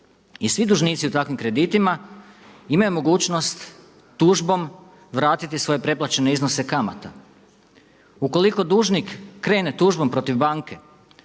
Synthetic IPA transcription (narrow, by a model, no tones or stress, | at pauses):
isʋid̪uʒniːt̪siut̪akʋimkɾe̞d̪it̪ima | imajumo̞ɡuːt͡ɕnost̪ː | uːʒbo̞m | ʋɾaːt̪it̪isʋo̞je̞pɾe̞plˠat͡ɕe̞ne̞iznose̞kama̰t̪a | uko̞liko̞d̪uːʒnikːɾe̞ːne̞t̪uːʒbo̞mpɾo̞t̪iʋbaːŋke̞